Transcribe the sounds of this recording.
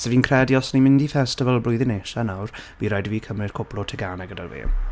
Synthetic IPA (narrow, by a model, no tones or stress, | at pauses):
sɛviːnkʰrɛdjɔsnimɪndifɛstɪvəlˠblʊɨðɪneːʃanawrviːɾajdviːkʰəmrɪd̥kʰʊpʰlˠɔtʰɪɡanɛɡədarvḛːm